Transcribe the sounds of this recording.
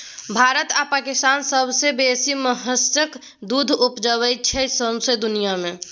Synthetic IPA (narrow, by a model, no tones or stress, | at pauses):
bʱaɾət̪apakɪst̪aːnsəbʱsebesiməɦəstək | d̪ud̪ʱupd͡ʒəwət͡ʃʰɛsə̃sed̪ʊnijamẽ